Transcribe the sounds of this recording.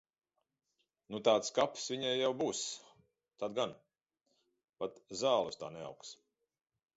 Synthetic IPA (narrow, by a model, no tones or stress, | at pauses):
nut̪aːt̪skapsvʲiɲajːawbuːs | t̪ad̪̚ɡan | pat̪zaːlˠust̪a̰ːnɛa̰wks